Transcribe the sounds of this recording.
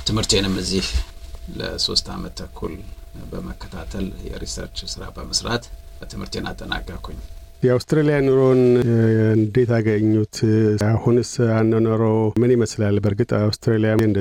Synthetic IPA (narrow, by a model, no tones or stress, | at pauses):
t̪ʰɨmhɨɾt̪enɨmːɨzihlə̰so̞̰st̪ʰamət̪ʰəkʰːṵlbəməkʰːə̥t̪ʰat̪ʰəljɛ̰ɾisə̰ɾt͡ʃsɨɾabəməsɾat̪ | bət̪ʰɨmhɨɾt̪ʰena̰t̪ʼːəna̰kʼːakʰuɲ | jɛawst̪ɾelijanuɾon | ɨnd̪et̪ʰaɡəɲːut̪ahunsanːənəɾəwmɨnɪməslalbəɾɡɨt̪ʼawst̪ʰɾelijaɨnd̪